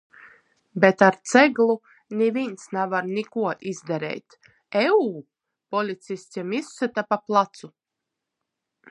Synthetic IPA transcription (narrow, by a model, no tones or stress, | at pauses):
bet̪aɾt̪sɛɡlˠu | nʲivinsnavaɾnikuɔʔizd̪ɛɾɛ̰jt̪ | ɛuː | pɔlʲit̪sisʲimisːat̪apaplˠat̪su